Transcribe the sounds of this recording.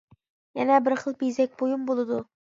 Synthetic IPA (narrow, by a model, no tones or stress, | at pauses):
jænæbɪɾχəlˠpizæk̚ʲbojumbolˠɨd̪ʊ